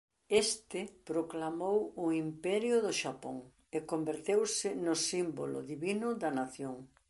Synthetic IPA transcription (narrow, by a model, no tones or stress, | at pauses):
est̪ɪpɾoklamowʊimpɛɾjʊðʊʃapo̰ŋ | ekombeɾt̪ewsɪnʊsimbolʊ̰ðiβinʊðɐnaθjoŋ